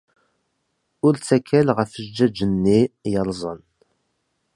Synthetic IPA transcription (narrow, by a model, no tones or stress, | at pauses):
ʊɾt͡sːækʰːælʁəfəʒd͡ʒːæd͡ʒənːijəɾˤzˤən